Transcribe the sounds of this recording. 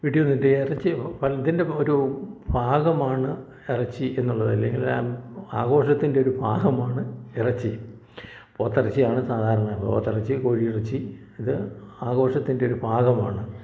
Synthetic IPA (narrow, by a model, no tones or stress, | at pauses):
ʋiʈːiʋonːiʈːɨirɐt͡ɕːɨpɐliðinde̞o̞ɾubʱaːɣɐmaːɳɨ | irɐt͡ɕːɨʔe̞nːuɭːɐðɐlːḛŋɡil̰maːɣo̞ːʂɐt̪ːinde̞o̞ɾubʱaːɣɐmaːɳɨirɐt͡ɕːɨ | poːt̪ːirɐt͡ɕːijaːɳɨsaːd̪ʱaːɾɐɳɐɐbo̰ːt̪ːirɐt͡ɕːɨkoːɻiirɐt͡ɕːɨ | iðɨaːɣo̞ːʂɐt̪ːinde̞oɾubʱaːɣɐmaːɳɨ